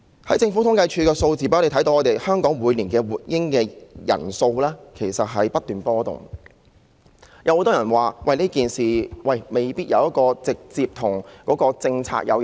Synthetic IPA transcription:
hɐ˨˥jt͡sɪ˧ŋfu˨˥t̪ʰʊ˨˥ŋkɐ˧jt͡ʃʰyː˧kɛː˧so˧wt͡siː˨˩pːe˨t̪ʰɐ˨˥j̪o˧wŋːɔː˨˧t̪e˨jhœː˥ŋkɔː˨˥ŋwuː˨˧jliː˨˩nkɛː˧wuː˨˩t̚jɪ˥ŋkɛː˧jɐ̰˨˩nso˧wlɛː˥kʰe˨˩jsɐ˨t̚ɦɐ˨jpɐ˥t̚t̪yː˨npɔː˥t̪ʊ̰˨˩ŋ | jʔɐ˨˦who˨˥t̪ɔː˥jɐ˨˩nwaː˨˩wɐ˥˩jniː˥kiː˨˩nsiː˨˩wɐ˨˩jme˨jpiː˥t̚jɐ˨˧wjɐ˥t̚kɔː˧t͡sɪ˨k̚t͡siː˧p̚t̪ʰʊ˨˩ŋkɔː˨˥kɔː˧t͡sɪ˧ŋt͡sʰa̰ː˧k̚jʔɐ̰˨˧w

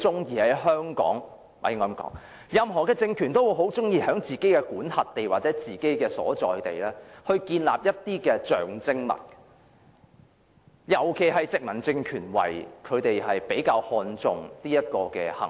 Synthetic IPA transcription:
t͡sʊ˥ŋjiː˧hɐ˨˥jɦœː˥ŋkɔ̰ː˨˥ŋ | a̰˨˩jŋɔː˨˧˥mkɔ̰ː˨˥ŋ | jɐ˨mɦɔː˨˩kɛː˧t͡sɪ˧ŋkʰyː˨˩nt̪o˥wu˨˧jɦo˨˥wt͡sʊ˥ŋjiː˧ɦœː˨˥ŋt͡siː˨ke˥jkɛː˧kuː˨˥nhɐ˨t̚t̪e˨jwaː˨t̚t͡sɛː˨˥t͡siː˨˩ke˥jkɛː˧sɔ̰ː˨˥t͡sɔ̰ː˨jt̪e˨˩jlɛː˥hɵ˧ɥkiː˧nla̰ː˨p̚jɐ˥t̚t̪iː˥kɛː˧t͡ʃœː˨˩ŋt͡sɪ˥ŋmɐ̰˨˩t̚ | jɐ˨˩wkʰe˨˩jɦɐ˨jt͡sɪ˨k̚mɐ˨˩nt͡sɪ˧ŋkʰyː˨˩nwɐ̰˨jkʰɵ˨˧ɥt̪e˨jɦɐ˨jpe˨˥jkaː˧whɔː˧nt͡sʊ˨ŋt̪iː˥jɐ˥t̚kɔː˧kɛ̰ː˧hɐ̰˨˩

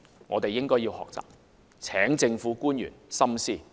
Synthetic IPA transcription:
ŋɔ̰ː˨˧t̪e˨jːɪ˥ŋkɔː˥jiː˧whɔ̰ː˨k̚t͡sa̰ː˨p̚ | t͡sʰɛː˨˥ŋt͡sɪ˧ŋfuː˨˥kuː˥njy̰ː˨˩nsɐ˥msiː˥˩

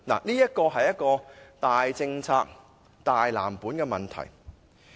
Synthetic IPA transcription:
na̰ː˨˩niː˥jɐ˥t̚kɔː˧ɦɐ˨jːɐ˥t̚kɔː˧t̪aː˨jt͡sɪ˧ŋt͡sʰaː˧k̚ | t̪aː˨jla̰ː˨˩mpuː˨˥nkɛː˧mɐ˨nt̪ʰɐ̰˨˩j

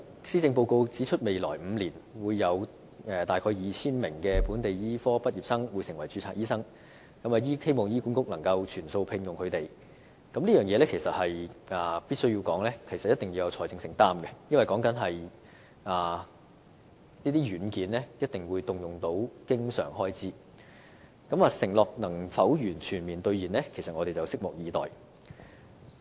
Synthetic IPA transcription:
siː˥t͡sɪ˧ŋpo˧wko˧wt͡siː˨˥t͡ʃʰɵ˥t̚me˨jlɔ̰ː˨˩jm̩ː˨˧liː˨˩nwuː˨˧jːɐ˨˧w | ɛː˨t̪aː˨jkʰɔː˧jiː˨t͡sʰiː˥nmɪ˨˩ŋkɛː˧puː˨˥nt̪e˨jjiː˥fɔː˥pɐ˥t̚jiː˨p̚sɐ˥ŋwuː˨˧jsɪ˨˩ŋwɐ˨˩jt͡ʃyː˧t͡sʰaː˧˥jiː˥sɐ˥ŋ | jɐ˥mɐ˨˧˩jiː˥he˥jmɔː˨˩ŋjiː˥kuː˨˥nkʊ˥k̚nɐ˨˩ŋkɐ˧wt͡ʃʰyː˨˩nso˧wpʰɪ˧ŋjʊ˨ŋkʰɵ˨˧ɥt̪e˨j | kɐ˨˥mliː˥jœː˨˩ŋjɛː˨˧lɛː˥kʰe˨˩jsɐ˨t̚hɐ˨jaː˨piː˥t̚sɵ˥ɥwjiː˧wkɔː˨˥ŋlɛː˥kʰe˨˩sɐ˨t̚jɐ˥t̪ɪ˨ŋji˧wjɐ˨˧wt͡sʰɔː˨˩jt͡sɪ˧ŋsɪ˨˩ŋt̪aː˥mɡɛ˧jɐ˥nɐ˨jkɔː˨˥ŋkɐ˨˥nɦɐ˨j | ʔaː˨˩ | niː˥t̪iː˥ɥyː˨˥nkiː˨˥nlɛː˥jɐ˥t̚t̪ɪ˨˩ŋwuː˨˧jt̪ʊ˨ŋjʊ˨ŋt̪o˨˥wkɪ˥ŋsœ̰ː˨˩ŋɦɔː˥jt͡siː˥ | kɐ˨˥maː˨˧sɪ˨˩ŋlɔː˨˩k̚nɐ˨˩ŋfɐ˨˥wjyː˨˩nt͡ʃʰyː˨˩nmiː˨˩nt̪ɵ˧ɥjiː˨˩nlɛː˥kʰe˨˩jsɐt̚ʔɔː˨˧ɾe˨jt͡sɐ˨wsɪ˥k̚mɔ˨˩k̚jiː˨˧t̪ɔ̰ː˨˩j

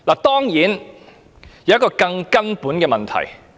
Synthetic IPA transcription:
laː˨˩t̪ɔː˥ŋjiː˨˥n | jwjɐ˥kɔː˧kɐ˧ŋkɐ˥npuː˨˥nkɛː˧mɐ˨nt̪ʰɐ̰˨˩j

